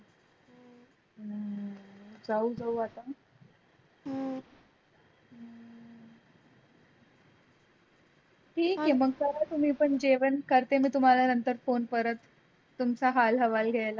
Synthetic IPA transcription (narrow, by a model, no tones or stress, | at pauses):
d͡zaud͡zauat̪a | ʈʰiːkːĩmbəɡ̚kaɾat̪um̤iːpəɳd͡ʑeʋənkəɾt̪emiːt̪um̤alanənt̪əɾfonpəɾət̪ː | umt͡saɦalɦəʋalɡʱɛjla